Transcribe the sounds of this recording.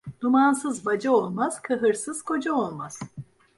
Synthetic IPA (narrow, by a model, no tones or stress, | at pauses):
d̪̥umansɯzvad͡ʒao̞lˠmaz̥kʰɯɦɯɾsɯz̥kʰo̞d͡ʒaolˠmaz̥